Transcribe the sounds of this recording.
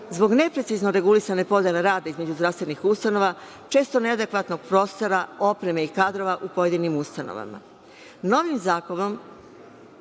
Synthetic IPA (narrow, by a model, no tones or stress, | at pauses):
zbo̞ɡne̞pɾesizno̞ɾe̞ɡulisane̞po̞d̪jeleɾaːd̪aizme̞d͡ʑuzd̪ɾafst̪ʋe̞nixust̪ano̞ʋa | t͡ʃe̞ːst̪o̞ne̞ad̪e̞kʋat̪no̞ɡ̥̚pɾo̞ːst̪o̞ɾao̞pɾe̞meikaːd̪ɾo̞ʋaʔupo̞je̞d̪inimust̪ano̰ʋa̰ma̰ | no̞ʋimzaːko̞no̞m